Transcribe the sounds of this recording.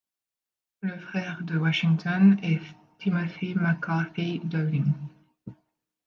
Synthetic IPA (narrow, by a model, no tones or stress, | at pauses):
ləfχɛʁd̪əwaʃiŋt̪ɔnɛ | t̪ʰimafemakɑfed̪aliŋ